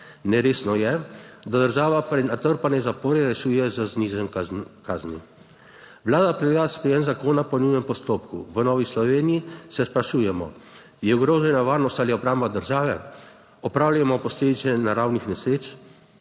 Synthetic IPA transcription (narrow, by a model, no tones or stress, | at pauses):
nɛɾeːsnɔjɛd̪ad̪əɾʒaːʋapɾɛnat̪əɾpanɛzapoːɾɛɾɛʃuːjɛzaznizɛkaːzni | ʋlaːd̪apɾɛleɡaspɾɛjɛnzakoːnapɔnujɛmpɔst̪oːpkuʋənɔːʋislɔʋeːnijisɛspɾaʃuːjɛmɔ̰ | jɛuɡɾoːʒɛnaʋaːɾnɔst̪aliɔbɾaːmbad̪əɾʒaːʋɛ | ɔpɾaːwlajɛmɔpɔsleːd̪it̪sɛnaɾawnixnɛsɾeːt͡ʃ